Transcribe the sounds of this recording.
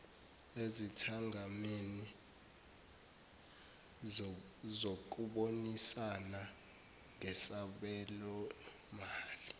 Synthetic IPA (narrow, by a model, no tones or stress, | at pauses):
ezitʰaŋameni | zok̬uɓonisana | ŋɛsaɓɛlɔ | maːli